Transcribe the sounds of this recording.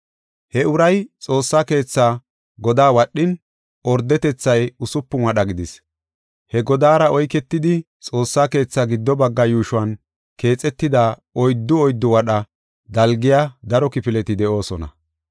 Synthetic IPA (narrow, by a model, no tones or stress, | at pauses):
hɛʊɾɐjt͡sʼo̞ːsːaːke̞ːt͡sːaː | ɡɔd̪aːwɐɗːɪn | ʔɔɾd̪ːɛt̪ɛt͡sːɐjʊsʊpːʊnwɐɗɐɡɪd̪ɪs | hɛɡɔd̪aːɾɐʔɔjkɛt̪ːɪd̪ɪ | t͡sʼo̞ːsːaːke̞ːt͡sːaːɡɪd̪ːɔbɐɡːɐjuːʃʊwɐn | ke̞ːt͡sʼɛt̪ːɪd̪aːɔjd̪ːʊɔjd̪ːʊwɐɗɐ | d̪ɐlɡɪjaːd̪ɐɾɔkɪpɪlɛt̪ɪd̪ɛʔo̞ːsɔnɐ̰